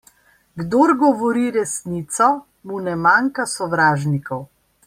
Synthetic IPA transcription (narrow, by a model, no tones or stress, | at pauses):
ɡd̪oːɾɡɔʋɔɾiɾɛsniːt̪sɔ | munɛmaŋkasɔʋɾaːʒnikɔw